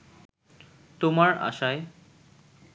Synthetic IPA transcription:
t̪omaɾa̰ʃae

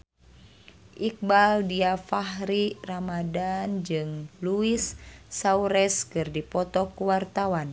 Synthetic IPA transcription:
ʔik̚baldiafaɦɾiramadand͡ʒɨŋluisːauɾɛskɨrdipɔt̪ɔkuwart̪awan

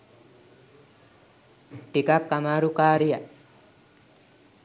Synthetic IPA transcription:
ʈikakːamaːɾukaːɾija

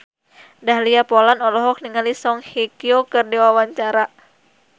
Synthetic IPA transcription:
daɦliapɔlanɔlɔɦɔk̚niŋalisɔŋhekiokɨrdewawaɲt͡ʃaɾa

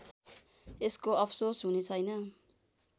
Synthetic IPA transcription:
eskoʌpʰsosɦunet͡sʰʌjnʌ

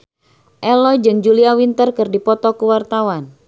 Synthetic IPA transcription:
ʔɛlɔd͡ʒɨŋd͡ʒuliawint̪ərkɨrdipɔt̪ɔkuwart̪awan

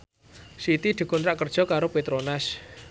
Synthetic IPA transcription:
sit̪id̪̥i̤kunɾaʔkərd̥ʒ̥ɔ̤kaɾopet̪ɾonas

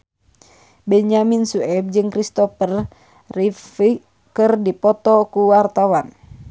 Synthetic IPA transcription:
bɛɲaminsuɛb̚d͡ʒɨŋkɾist̪ɔfər | rifi | kɨrdipɔt̪ɔkuwart̪awan

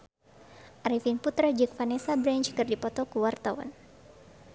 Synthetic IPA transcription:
ʔaɾifinput̪ɾad͡ʒɨk̚fanɛsabɾɛnt͡ʃkɨrdipɔt̪ɔkuwart̪awa̰n

